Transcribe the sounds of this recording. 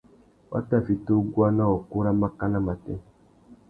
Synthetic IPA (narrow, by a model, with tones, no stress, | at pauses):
wʔa̰˦ta˦˨fi˨to˦ɡu˦a˦nã˦wɔ˨ku˦ɾa˦ma˦ka˦na˦ma˨tɛ˦